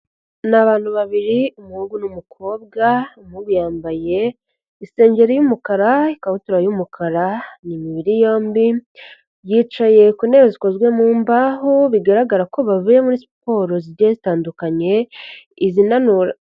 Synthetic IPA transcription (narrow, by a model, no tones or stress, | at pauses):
naβaːn̥huβaβiɾiumuhuɡunumukʰo̞ːb̚ɡamuβujaːmbaje̞ | ise̞ːɲɟe̞ɾijumukaɾaikahutuɾajumukʰaɾanimiβiɾijo̞ːmbi | jiːt͡ʃaje̞kuneβeziko̞zɡwe̞muːmbaːɦuβiɡaɾaɡaɾako̞βaβujemuɾisi̥po̞ːɾo̞ziɾɟazitaːndukaɲe̞ | izinanuɾa